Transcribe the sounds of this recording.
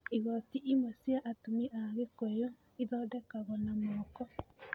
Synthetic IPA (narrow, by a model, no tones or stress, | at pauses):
iɣɔtiʔimwasiaʔatumiɛʔaɣekojo | iðɔːdɛkaɣɔnamɔːkɔ